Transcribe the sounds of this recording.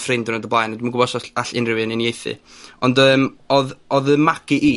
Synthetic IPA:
frɪndənɔdəblˠajnɔndmanɡʊbɔsɔaɬɪnrɪwɨnɪnjejθɨ̰ | ɔndəːmɔðɔðəmakiʔiː

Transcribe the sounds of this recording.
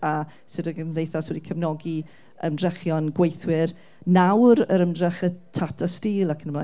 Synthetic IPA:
a | sɨdəɡədejθaswɛdikʰəvnɔɡi | ə̰mdrɛχjɔnɡwejθwɪr | nawɾəɾəmdrɛχətʰatʰastiːlˠakʰənəmlˠa

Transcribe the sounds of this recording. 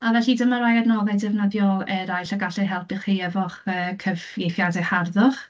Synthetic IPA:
avɛɬidəmaɾajadnɔðɛdɛvnəðjɔɛɾajɬaɡaɬɛɦɛlˠpɪχeɛvɔχəːkʰəvɡejθjadɛharðʊχ

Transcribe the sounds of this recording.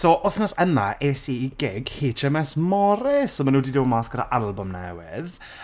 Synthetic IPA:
sɔːʔʊθnɔsəma̰ʔesiːɡɪɡheːtʰɛmɛsmɔɾɪsɔmanuːdiːdɪwɔmaskəɾa̰ʔalˠbʊmnɛ̰wɪ̰ð

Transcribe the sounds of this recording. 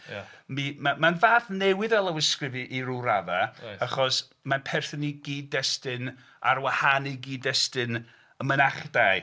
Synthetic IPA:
mimamanvaːθnɛwɨðɛlˠəwɪskrɪvɨʔiɾuɾavaaχɔs | manpʰɛrθɔniɡiːdɛstɨn | aɾwahanɪɡiːdɛstɨn | əmənaχd̥aj

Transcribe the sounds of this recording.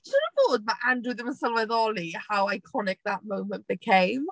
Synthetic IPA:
səɾəfɔːd̚baɪʔãndɹuðəmə̃səlˠwɛðɔlihaʊaɪkʰɔnɪk̚ðəʔmoʊ̃mə̃nb̥ɪkʰẽɪ̃m

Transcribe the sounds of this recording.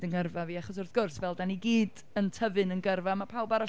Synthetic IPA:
dənɡərvaviːaχɔs̬ʊrθɡ̥ʊrsvɛlˠdaniɡiːd | əntʰəvɨnənɡərvamapʰawbaɾɔ

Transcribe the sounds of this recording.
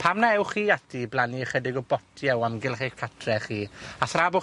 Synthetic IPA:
pʰamnaɛwχiːatʰiblˠaniəχədɪɡɔbɔtʰiɛwamɡɪlˠχikʰatʰrɛχiːaθrabʊ

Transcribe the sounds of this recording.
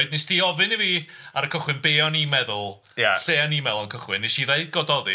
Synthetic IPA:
ɨdnɪstʰiːɔvɨnəviː | aɾəkʰəχwɨnbeːɔnimɛðʊlˠ | jaɬeːɔnimɛðlˠankʰəχwɪnːɪsiːðajɡ̥ɔdɔðɨ

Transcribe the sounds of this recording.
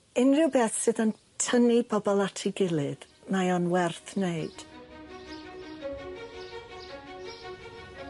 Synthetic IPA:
ɪnrɨwbɛːθsɨðən | tʰənibɔbɔlˠatʰɪɡɪlˠɨð | majɔnwɛrθneɨd̥

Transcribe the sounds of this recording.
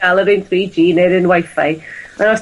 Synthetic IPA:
alˠəɾɨnθriːd͡ʒiːnɛɾənwajfa̰jənɔ

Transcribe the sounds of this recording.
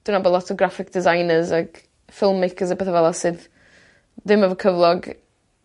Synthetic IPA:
d̥wɪnabɔdlˠɔtʰɔɡɾafɪk̚d̥ɪzajnəzaɡ̥ | fɪlˠmːejkʰəzəpʰeːθavɛlˠasɨð | dɪməvəkʰəvlˠɔɡ

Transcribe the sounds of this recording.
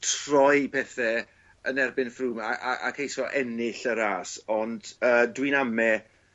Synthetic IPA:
tʰrɔjpʰɛθɛ | ənɛrbɪnfruːmaʔaʔa̰kʰejsɔʔɛnɪɬəɾaːsɔndəːdwinamɛ

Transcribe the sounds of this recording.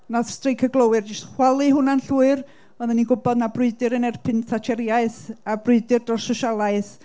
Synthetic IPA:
naθstrejkʰəɡlˠəwɨrd͡ʒɪstχwalˠɨɦʊnanɬuːɨr | ɔðɛniɡʊbɔdnabrʊɨdɨɾənɛrpʰɨnθʰatʰɛɾjaɨθabrʊɨdɨrd̥rɔsɔʃalˠaɨθ

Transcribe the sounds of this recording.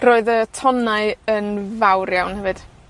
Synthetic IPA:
roːɨðətʰɔnaɨənvawɾjawnhɛvɨd̥

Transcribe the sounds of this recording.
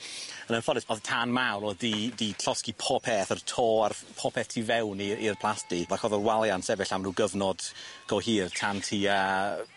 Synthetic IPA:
ənənfɔdɪsɔðtʰanmawɾɔdidiɬʰɔskipʰɔpʰɛθərtʰoːarpʰɔpʰɛθtʰiːvɛwniirpʰlˠastɪvakɔðɔlwalˠjansɛbɪɬamnuːɡəvnɔd̥ɡ̥ɔhiːrtʰantʰiə

